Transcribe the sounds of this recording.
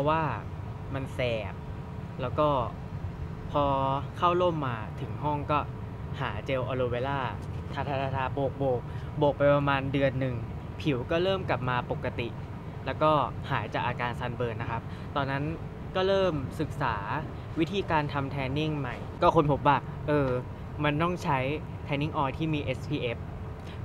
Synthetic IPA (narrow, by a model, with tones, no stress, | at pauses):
pʰɔ˦˥waː˥˩ | ma˧nsɛː˨˩p̚ | lɛː˦˥wkɔː˥˩ | pʰɔː˧kʰa˥˩wlo˥˩mːaː˧t̪ʰɯ˩˦ŋɦɔ˥˩ŋkɔː˥˩ | haː˩˦t͡ɕe˧wʔɔː˧loː˧weː˧laː˥˩ | t̪ʰaː˧t̪ʰaː˧t̪aː˧t̪ʰaː˧boː˨˩k̚boː˨˩k̚ | bo˨˩k̚pa˧jpɾa˧maː˧ndɯ˧ənːɯ˨˩ŋ | pʰi˩˦wkɔː˥˩lɤː˥˩mka˨˩p̚maː˧po˨˩kːa˧t̪i˨˩ | lɛː˦˥wkɔː˥˩haː˩˦jt͡ɕaː˨˩k̚ʔaː˧kaː˧nsa˧nbɤː˧na˦˥kʰa˦˥p̚ | t̪ɔː˧nːa˦˥n | kɔː˥˩ɾɤː˥˩msɯ˨˩k̚saː˩˦ | wi˦˥t̪ʰiː˧kaː˧nt̪ʰa˧mt̪ʰɛː˧ni˥˩ŋma˧˩jkɔː˥˩kʰo˧npʰo˨˩˦p̚waː˥˩ | ʔɤː˧ | ma˧nt̪ɔ˥˩ŋt͡ɕʰa˦˥j | t̪ʰɛː˧nːi˥˩ŋʔɔː˧jt̪ʰiː˥˩miː˧ʔe˦˥spʰiː˧ʔe˦˥p̚